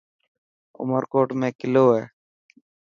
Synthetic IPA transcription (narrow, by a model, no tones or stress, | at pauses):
ʊ̰məɾkoːʈmẽːkɪloːɦɛː